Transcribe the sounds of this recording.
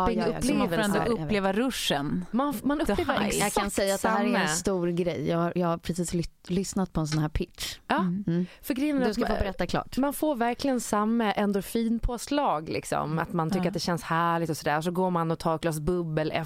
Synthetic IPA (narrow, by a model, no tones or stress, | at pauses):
ɪɡɵleːvɛlɾɛnd̪ɔleːvaɾɵʂənmanmanɵleːvəɾɛansɛjːatd̪ɾɛɛnst̪uːɾɡɾɛjːjɑːɡhaɾjɑːaɾpʰɾɛsiːslʏsnat̪̚pʰɔɛnsɔnhæːɾpʰɪtʂɑːfœɾɡɾɛjːənndskafoːbɛɾɛt̪ːakʰlɑ̰ːʈmanfoːɾvæɾklɪɡənsamːəʔɛnd̪ɔfiːnpʰoːslɑːɡlɪ̰ksɔ̰ma̰t̪mant̪ʰʏkkːɾat̪̚d̪ɛɕɛnshæːɭɪk̚t̪ɔsɔd̪æːɾsɔɡoːɾmanɔt̪ʰɑːɾɡlɑːsbɵbːəlɛ̰